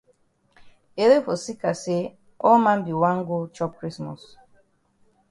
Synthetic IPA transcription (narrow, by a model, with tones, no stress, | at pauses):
e˨ɾe˦fo˨si˦ka˨se˦ | ɔ˦mã˦mbi˨wã˦ŋɡo˦t͡ʃɔ˦p̚kɹi˦smɔ˨s